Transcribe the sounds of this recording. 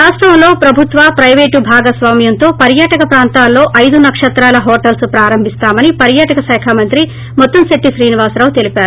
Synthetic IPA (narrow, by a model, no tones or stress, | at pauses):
aːsʈʋɐmlo̞ːpɾɐbʱut̪ʋapɾɐjʋeːʈubʱaːɡɐsʋaːmjɐnt̪o̞ːpɐɾjaːʈɐkɐpɾaːnt̪aːlːo̞ːʔɐjd̪unɐkʂɐt̪ɾaːlɐɦoːʈɐlspɾaːɾɐmbʱist̪aːmɐnipɐɾjaːʈɐkɐʃɛːkʰaːmɐnt̪ɾi | mɔt̪ːɐmseʈːiʃɾiːniʋaːsɾaːʋut̪e̞lipaːɾu